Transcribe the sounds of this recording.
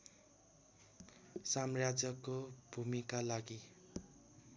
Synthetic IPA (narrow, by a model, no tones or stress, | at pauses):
samrad͡zʌkobʱumikalaɡi